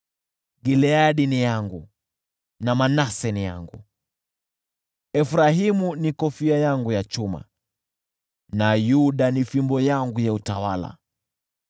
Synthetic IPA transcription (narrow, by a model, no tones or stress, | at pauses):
ɡilɛaɗinijaŋɡu | namanasɛnija̰ŋɡṵ | ɛfɾaɦimunikɔfiajaŋɡujat͡ʃuma̰ | najuɗanifimbɔjaŋɡujautawala̰